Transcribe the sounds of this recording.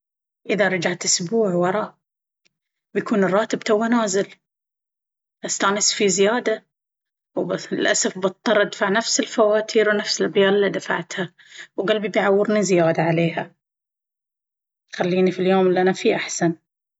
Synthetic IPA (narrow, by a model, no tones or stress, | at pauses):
ʔɪðaɾˤɑd͡ʒaʕt̪ʔɪsbuːʕwɑɾˤɑːʔ | bjakuːnɨrˤːɑːt̪ɪb̚t̪awːanaːzɪl | ʔast̪aːnɪsfizɪjaːd̪a | wbalʔasafbɨt̪ˤːɑɾˤʔad̪faʕnafsɪlfawaːt̪ʰiːɾwnafsɪlbjaːlɪlːid̪afa̰ʕt̪ha | wɡalbibjʕawːɪɾnizɪjaːd̪aʕaleːha | xalːiːnifiljoːmlʔanafiʔaħsan